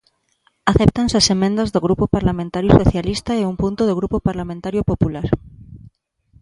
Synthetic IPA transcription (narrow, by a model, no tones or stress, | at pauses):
aθep̚t̪ansasemẽnd̪ɐzðoɣɾupopaɾlamẽnt̪aɾjosoθjalist̪aeumpunt̪oðoɣɾupopaɾlamẽnt̪aɾjʊpopulaɾ